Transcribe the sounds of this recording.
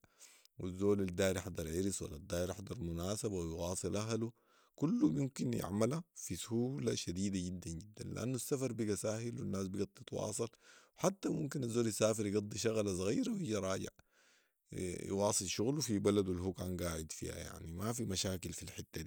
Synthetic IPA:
wizːoːlad̪ːaːɾħɑd̪ˤɑɾˤʕiɾiswa̰lːad̪ːaːjɾħɑd̪ˤɑɾˤmunaːsabawjwɑːsˤɨlʔaɦlu | kulːumumkinjɪ̰ʕmalafisuhuːlaʃad̪iːd̪aɟid̪ːanɟid̪ːanliʔa̰nːuasːafɑɾˤbiɡasahilwinːaːsbiɡɑt̪ˤːit̪wɑ̰ːsˤɑlwħat̪ːamumkinazːoːljasːaːfiɾjɡɑd̪ˤːiʃaɣlas̬ˤɑɣḭːɾawjiɟiɾˤɑːɟɪ̰ʕ | j̰wɑːsˤɨlʃuɣlufibalad̪wilɦukaːnɡaːʕid̪fḭha̰ja̰ʕnimafimaʃaːkilfilħɪt̪ːad̪i

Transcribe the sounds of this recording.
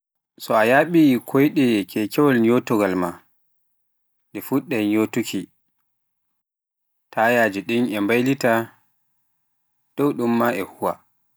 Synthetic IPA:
sɔajaɓikʰɔjɗɛkʰɛkɛwɔlɲotɔɡalma | ɗɛfuɗːɛɲotukʰi | tʰajaːd͡ʒiɗinʔɛmbajlita | d̥ɔwɗumːaʔɛhuwa

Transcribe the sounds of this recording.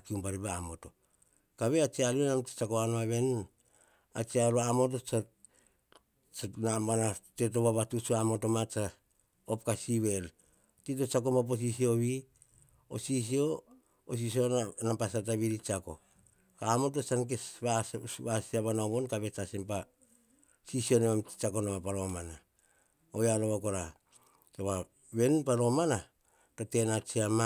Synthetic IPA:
akiumbaɾiβaamo̞to̞ | kaβe̞at͡ʃialienamtḁt͡ʃakoanoaβe̞n | a̰t͡ʃiaɾuamo̞t̬ot͡ʃa | t͡ʃanambanate̞t̬o̞βaβatut͡ʃuamo̞to̞mat͡ʃa | op̚kasiβe̞l | tit̬o̞t͡ʃakomap̬os̬isio̞βi | o̰sis̬io̞ː | s̬isio̞nampasat̬aβiɾit͡ʃako̞̰ | kaːmot̬o̞sank̬esβaβasiaβanaoβo̞nkaβe̞t͡ʃasempa | sisio̞nemamt͡ʃako̞namapaɾo̞mana | ojaloβako̞ɾa | toβa | βe̞npaɾo̞mana | to̞te̞nat͡ʃiama

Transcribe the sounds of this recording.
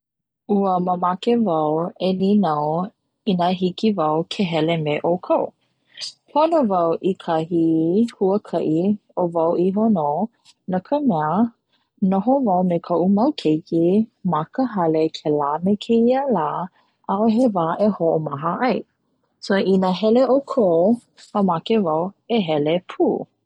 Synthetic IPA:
ʔuəməmakevɐwelinaw | inəɦikivɐwkʰeɦɛlemeʔokʰow | pʰonovɐwʔikʰahihuəkʰɐʔiovɐwʔiɦono | nakʰəmɛə | noɦovɐwmekʰoʔumɐwkʰejkimakəɦɐlekʰelaːmekʰeiəlaː | ʔaʔoɦevaːʔehoʔomɐɦəʔɐj | soinəɦɛleʔokʰow | əmakevɐweɦɛlepʰuː

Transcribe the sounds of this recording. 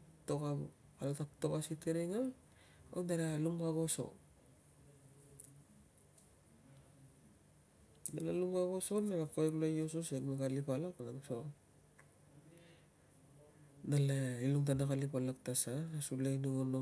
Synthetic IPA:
toka | alotaktokasiteɾeŋa | onaɾaluŋkaɡoso̰ | nalalumkaɡosonaɾakoeklojos̬osenmekalipalakanaɡoso | nalailuŋt̬anakalipalak̚tasaasuleniŋono

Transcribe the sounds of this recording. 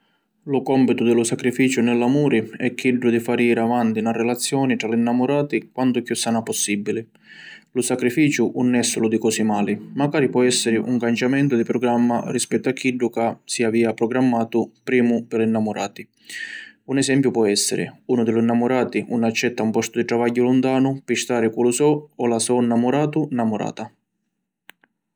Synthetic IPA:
lʊkɔmpit̪ʊd̪ɪlʊsakɾifiːt͡ʃʊnɪlːamuːɾɪɛkːiɖːʊd̪ifaːɾiːɾavant̪inarːɛlat̪sːjɔːnit̪ɾalɪinːamʊɾaːt̪ikwant̪ʊpːjusːaːnapɔsːibːilɪ | lʊsakɾifiːt͡ʃʊʔunːɛsːʊlʊd̪ikɔsimaːlɪmaɡaːɾipwɔɛsːɪɾɪʔṵŋkant͡ʃamɛnt̪ʊd̪ipɾɔɡɾamːa̰rispɛt̪ːʊakʰːiɖːʊkasiaviːapɾɔɡɾamːaːt̪ʊpɾiːmʊpɪlinːamʊɾa̰ːt̪i | unɛsɛmpjʊpwɔɛsːɪ̰ɾɪ̰uːnʊd̪ɪlʊinːamʊɾaːt̪iʔunat͡ʃːɛt̪ːaumpɔst̪ʊd̪iʈ̪ɾavaɟːʊlʊnt̪aːnʊpɪʃt̪aːɾɪkulʊsɔɔlasɔnːamʊɾaːt̪ʊnamʊɾa̰ːt̪a

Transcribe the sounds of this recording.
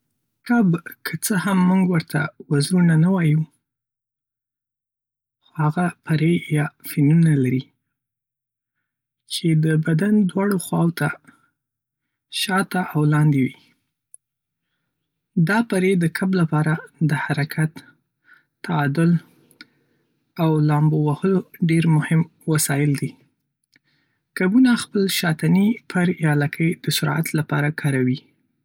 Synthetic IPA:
kabkʰət͡səhamːuŋɡwəɾt̪awazɾunanawɑju | xohaɣapaɾejɑfinunalaɾi | t͡ʃed̪əbad̪and̪wɑɽoxwɑwot̪a | ʃɑt̪aʔawlɑnd̪ewi | d̪ɑpaɾed̪əkʰablapɑɾad̪əhaɾakʰat̪ː | aɑd̪ʊl | awlɑmbowahəloɖeɾmʊhɪm | wasɑjɪld̪i | kabunaxpəlʃɑt̪anipʰəɾjɑlakʰəjd̪̥əsʊɾa̰t̪lapɑ̰ɾakʰɑɾawi

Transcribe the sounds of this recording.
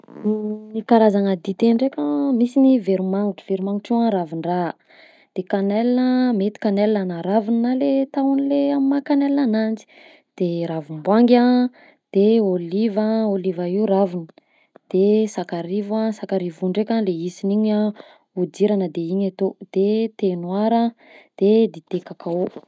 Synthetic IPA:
ikaɾazaŋəd̪it̪eɳɖ͡ʐekʲamisiniveɾimaŋuʈ͡ʂəveɾimaŋuʈ͡ʂiãɾaviɳra | d̪̥ekanɛlinəmet̪i̥kanelinanaɾavininalet̪awunileamimakanelinanand͡zi̥ | d̪̥eɾavumbwaŋɡʲã | d̪̥eolivaolivairavinə | d̪̥esakaɾivasakaɾivuɳɖ͡ʐekʲaleisiniɲa | ud̪iɾanəd̪eiɲat̪od̪̥et̪enwaɾa | d̪̥ed̪et̪ekakao

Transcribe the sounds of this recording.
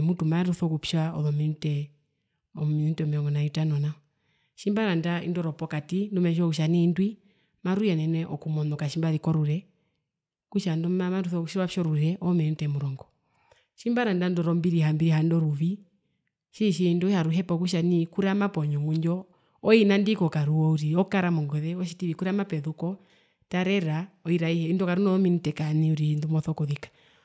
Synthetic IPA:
mutumaɾuθɔkupʃaɔ̰ðɔmɛn̩tɛ | ɔmiin̩tɛɔmɛɾɔŋɡɔnajutanɔna | ʃimbaɾandaḭndɔɾɔpɔkatindumɛʃɔkuʃanindwi | maɾujɛnɛnwɛʔɔkumɔnɔkaʃimbaðikɔɾuɾɛ | kuʃandɔamaɾuθɔkuʃiɾwapʃɔɾuɾɛʔɔmɛn̩utɛmuɾɔŋɡɔ | ʃimbaɾandandɔɾɔmbiɾihambiɾiɦandɔɾuβi | ʃiʃindɔʃaɾuɦɛpɔkuʃ̬anikuɾamapɔɲɔmuɲd͡ʒɔ | ɔinandikɔkaɾuɔuɾiɔkaɾamɔŋɡɔðɛɔʃitiβikuɾɛamapɛðukɔ | taɾɛɾaɔiɾaihɛindɔkaɾunɔɔminitɛkaniuɾindumɔθɔkɔðikḁ

